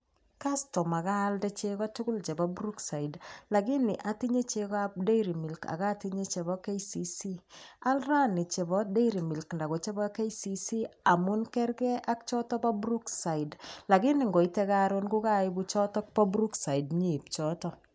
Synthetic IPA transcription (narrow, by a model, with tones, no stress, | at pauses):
ka˦stɔ˨ma˨kaː˦ldɛ˦t͡ʃe˦kɔ˦tʊ˦kʊ˦lt͡ʃɛ˨ba˦bɾu˦ksa˨i˨dla˨ɡɪ˦nɪ˨ʔa˦ti˦ɲe˦t͡ʃe˦ka˦p̚de˦iɾi˨mi˨lka̰˨ka˦ti˦ɲe˦t͡ʃɛ˨bɔ˦ke˦si˦si˦a˦lra˦nɪ˨t͡ʃe˨bɔ˦de˦ɾi˨mi˨lknda˨kɔ˨t͡ʃɛ˦bɔ˦ke˦isi˨si˦a˨mʊ˦nkɛ˦ɾkɛ˦ʔa˦k̚t͡ʃɔ˦tɔ˦pa˦bɾu˦ksa˨i˨dla˨ɡɪ˦nɪ˨ŋɡɔ˨i˦tɛ˦ka˦ɾonɡu˦ka˦ɪ˦bu˦t͡ʃɔ˦tɔ˦k̚pɔ˦bɾu˦ksa˨i˨dɲi˦˨p̚t͡ʃɔ˦tɔ˦